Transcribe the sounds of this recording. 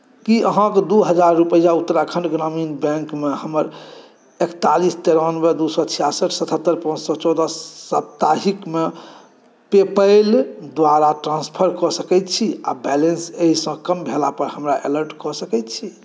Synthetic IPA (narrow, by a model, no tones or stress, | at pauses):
kiʔəɦãked̪uɦəd͡ʒaɾːupəjaut̪ːɾakʰə̃ɳɖɡɾaminbɛ̃ŋkmehəməɾ | ekt̪alist̪eɾanbed̪usɔt͡ʃʰijasəʈʰsət̪ʰət̪ːəɾpãd͡ʒsɔt͡ʃɔd̪əːəpt̪aɦikme | pepəɪld̪waɾaʈɾãnspʰəɾkɔsəkɛt̪t͡ʃʰiabɛlenseɦisə̃kəmbʱelapəɾhəmɾaʔeləɾʈkɔsəkɛjt̪t͡ʃʰi